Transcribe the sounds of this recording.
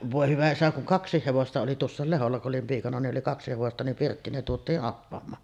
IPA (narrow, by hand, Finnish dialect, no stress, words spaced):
ʋoˑe hyʋæ isæ kuŋ kɑksˑiːh heʋostɑ oli tuosːɑˑel leholːɑ kuʔ ʔolim piːkɑnɑ niʔ ʔoli kɑksi heʋostɑ nim pirtːiːn ne tuotˑiːʔ ʔɑpːɑmˑɑːn